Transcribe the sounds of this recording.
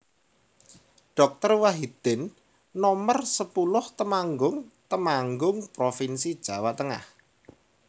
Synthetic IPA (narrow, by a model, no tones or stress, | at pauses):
ɖ̥ɔ̤k̚t̪ərwaɦid̪̥ɪnː | ɔmərsəpulʊht̪əmaŋɡʊŋt̪əmaŋɡʊŋpɾofinsid̥ʒ̥ä̤waʔt̪əŋa̰h